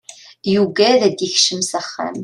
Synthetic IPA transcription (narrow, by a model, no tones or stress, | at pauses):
juɡæðæd̪jəçʃəmsæχːa̰m